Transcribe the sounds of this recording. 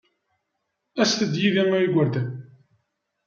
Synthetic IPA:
æsθəd̪jiðæmæiɡʷəɾd̪æn

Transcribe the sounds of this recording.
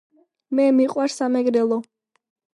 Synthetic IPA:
mɛmiqʼwaɾsamɛɡɾɛlˠɔ

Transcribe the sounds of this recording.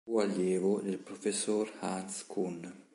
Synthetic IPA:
ualjɛːvod̪elpɾofesːorhanskʰun

